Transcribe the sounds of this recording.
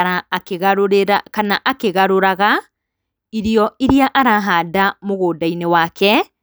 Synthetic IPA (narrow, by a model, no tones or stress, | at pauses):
akeɣaɾoɾeɾakanaʔakeɣaɾoɾaɣa | iɾiɔiɾiaʔaɾaɦaːdamoɣoːdainewaːkʰɛ